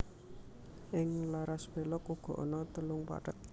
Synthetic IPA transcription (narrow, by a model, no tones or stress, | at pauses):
ʔɪŋlaɾaspelɔkuɡ̥ɔ̤̰ʔɔ̰nɔt̪əlʊŋpa̰ʈət̪̚